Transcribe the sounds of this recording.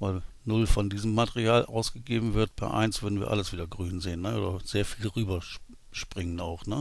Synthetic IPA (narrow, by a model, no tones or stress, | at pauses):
vaɪlnʊlfɔndiːzəmːatɛʁiaːlʔa̰ʊsɡ̥əɡeːbm̩vɪɐt̚pʰɛ̰ɐʔa̰ɪnsv̥ʏɐdn̩viːɐʔaləsv̥iːdɐɡʁyːnzeːənːəʔoːdɐz̥eːɐfiːlʁyːbɐ | ʃpʁ̥ɪŋənaʊxnə